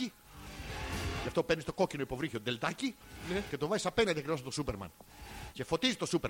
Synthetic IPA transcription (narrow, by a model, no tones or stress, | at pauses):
i | ʝɐft̪opeɾnist̪o̞ko̞cino̞ipo̞vɾiçiod̪e̞ld̪ɐcince̞t̪o̞vɐzisɐpe̞nɐnd̪iɐkɾivoɐpt̪osupe̞ɾmɐ̰nce̞fo̞t̪izit̪o̞supe